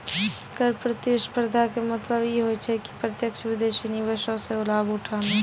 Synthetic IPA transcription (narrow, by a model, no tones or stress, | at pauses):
kəɾpɾət̪eʃpəɾd̪ʱakemɐt̪ləbjeɦot͡ʃʰɛki̥pɾət̪jəkʃʰəʋɪd̪eːʃinɪʋeʃõseʊlaːbʊʈʰaːne